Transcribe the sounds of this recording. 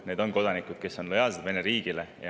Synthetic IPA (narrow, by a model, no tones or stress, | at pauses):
ne̞ːd̪o̞nko̞d̪̥ɑnikud̪̥̚ke̞so̞nlojɑlsed̪ve̞neɾiːɡ̥ilejɑ